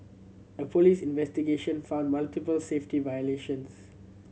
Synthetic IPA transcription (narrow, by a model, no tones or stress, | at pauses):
əpolisĩnvɛstiɡeʃə̃nfãʊ̃ndmaltipəlseftivajəleʃə̃ns